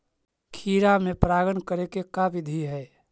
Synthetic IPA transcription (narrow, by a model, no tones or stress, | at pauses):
kʰiːɾamẽpɾaːɡənkəɾekekabɪd̪ʱiɦɛː